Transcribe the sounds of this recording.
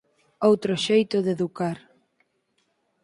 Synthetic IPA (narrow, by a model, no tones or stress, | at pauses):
owt̪ɾoʃejt̪oðeðukaɾ